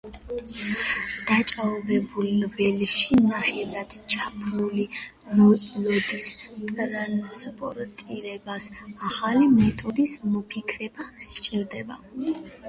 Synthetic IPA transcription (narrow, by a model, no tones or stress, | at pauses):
d̪̥at͡ʃʼabɛbulvɛlʃinaχɛvɾad̪̥t͡ʃʰapʰluli | lɔlɔd̪ist̪ʼɾanspʼɔɾt̪ʼiɾɛbasaχalimɛt̪ʼɔd̪ismɔpʰikʰɾɛbast͡ʃʼiɾd̪ɛba̰